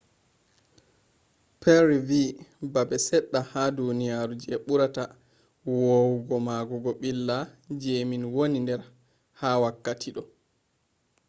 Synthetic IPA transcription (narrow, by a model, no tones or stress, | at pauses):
pʰɛɾivibabɛsɛɗːahadunijaɾud͡ʒɛɓuɾata | wowuɡɔmaɡɔɡɔɓilːad͡ʒeːminwonindɛɾ | hawakːatʰiɗɔ